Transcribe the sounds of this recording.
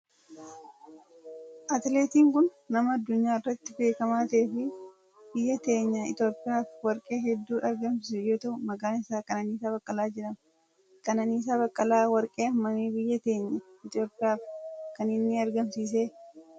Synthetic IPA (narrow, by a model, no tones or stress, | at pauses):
ʔɐt̪le̞ːt̪iːŋkʊnːɐmɐɐd̪ːʊɲːaːɪrːɐt̪ːɪbe̞ːkɐmaːt̪eːfɪ | bɪjːɐt̪e̞ːɲːɐɪ̰t̪o̞ːpʼɪjaːfwɐɾkʼe̞ːɦɛd̪ːuːʔɐɾɡɐmsɪsɛjoːt̪ɐʔʊmɐɡaːnɪsaːkʼɐnɐniːsaːbɐkʼːɐlaːd͡ʒɪᶑɐmɐ | kʼɐnɐniːs̬aːβɐkʼːɐlaːwɐɾkʼeːɐmːɐniːbɪjːɐt̪e̞ːɲːɐɪt̪o̞ːpʼːɪjaːfkɐnɪnːɪɐɾɡɐmsiːs̬e̞ː